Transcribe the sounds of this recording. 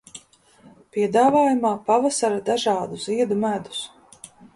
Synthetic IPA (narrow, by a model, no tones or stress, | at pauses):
piɛd̪aːvaːjumaːpavasaɾad̪aʒaːd̪uziɛd̪umæd̪u̥s